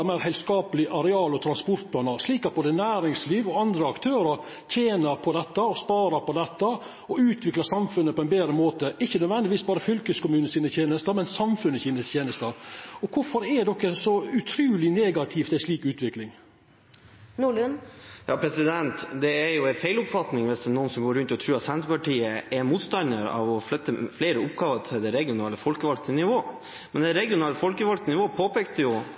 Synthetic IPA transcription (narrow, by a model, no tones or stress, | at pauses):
mæɪɾhɛɪlskɑːpəlɪʔɑɾɛɑːlɔt̪ʰɾɑnspɔɾt̪̚pʰlɑːnɑʂliːkɑt̪boːd̪ənæːɾɪŋsliːʋɔɑnd̪ɾəɑkt̪ʰøːɾəɾ | c͡çʰjeːnəɾpʰɔd̪ɛt̪ːəɔspɑːɾɑɾpɔd̪ɛt̪ːə | ɔʉːt̪ʰʋɪklɑsɑmfʉnːəpʰɔɛɪnbeːd̪ɾəmoːt̪əɪçːənœd̪ʋɛnd̪ɪʋiːsbɑːɾəfʏlkəskʊmʉːnəsiːnət̪ʰjeːnəst̪əmɛnsɑmfʉnːəçiːnəst̪ʰjeːnəst̪ɑɾɔkʰʊɾfɔɾɛd̪ɔkːəsɔʉt̪ʰɾʉːlɪneːɡɑt̪ʰɪft̪ɛʂɭiːkʉːt̪ʋɪklɪŋ | nuːɭʉnjɑːpʰɾɛsɪd̪ɛnt̪d̪ɛæɾjʊɛfæɪlʊpfɑt̪nɪŋʋɛsd̪ənuːnsɔmɡoːɾʉnt̪ɪɔt̪ʰɾʉːɾɑt̪sɛnt̪ɾəpɑʈiːəʔɛɾmuːt̪st̪ɑnd̪əɾɑ̰ʋɔflœt̪ːəfleːɾəʊpɡɑːʋət̪ʰɪld̪ɛɾɛɡɪʊnɑːləfɔlkəʋɑlt̪ənɪʋoː | mɛnd̪ɛɾɛɡɪʊnɑːləfɔlkəʋɑlkt̪ənɪʋoːpʰoːpeːk̚t̪əjʊ